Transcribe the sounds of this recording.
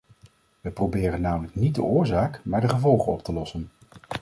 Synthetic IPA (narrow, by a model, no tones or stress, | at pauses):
ʋəprobɪːrənːaːmələknid̚də̰ʔʊːɹzaːkmaːɹdəχəvɔlˠχənɔp̚təlɔsən